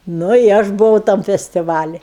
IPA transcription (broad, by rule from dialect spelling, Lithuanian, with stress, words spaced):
ˈnʊ ɪ ˈɐʃ bʊˈʋɐʊ tɐm fʲɛsʲtʲɪˈʋɑːlʲɪ